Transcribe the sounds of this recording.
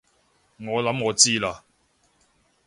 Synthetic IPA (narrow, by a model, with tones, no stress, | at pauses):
ŋɔː˨˧lɐ˨˥mŋɔː˨˧t͡siː˥laː˧